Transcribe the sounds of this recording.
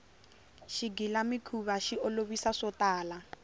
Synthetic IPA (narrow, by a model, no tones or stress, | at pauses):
ʃiɡilamikʰuβaʃiɔloβisaʂɔtaːla